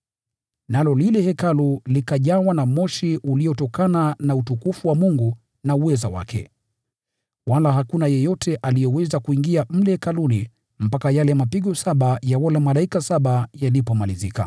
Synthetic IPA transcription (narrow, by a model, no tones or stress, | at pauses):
nalɔlilɛhɛkalulikaʄawanamɔʃiʔuliɔtɔkananautukufuwamuŋɡu | nauwɛza̰wa̰kʰɛ̰ | walaɦakunajɛjɔtʰɛʔalijɛwɛzakuiŋɡiam̩lɛkaluli | m̩pakajalɛmapiɠɔsaɓajawɔlamalaikasaɓajalipɔmalizika̰